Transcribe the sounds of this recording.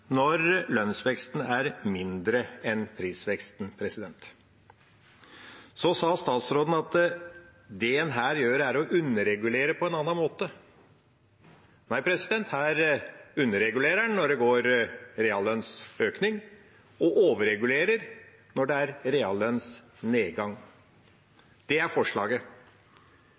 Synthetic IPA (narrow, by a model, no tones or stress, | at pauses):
nɔɾlœnsʋɛkst̪n̩æɾmɪnd̪ɾəɛnpʰɾiːsʋɛkst̪npʰɾɛsɪd̪ɛnt̪ | sɔsɑːst̪ɑːt̪sɾoːd̪n̩ɑt̪ | d̪ɛɛnɦæːɾjøːɾæɾɔʔʉnːəɾɛɡʉleːɾəpʰɔɛnɑnɑnmoːt̪ə | næɪpʰɾɛsɪd̪ɛnt̪hæːɾʉnːəɾɛɡʉleːɾæɳnɔɖɛɡoːɾɾɛːɑlœnsøːknɪŋ | ɔʔoːʋəɾɛɡʉleːɾəɾ | nɔɖɛæɾɾeɑlœns | neːɡɑŋ | d̪̥ɛæɾfɔʂɭɑ̰ːɡə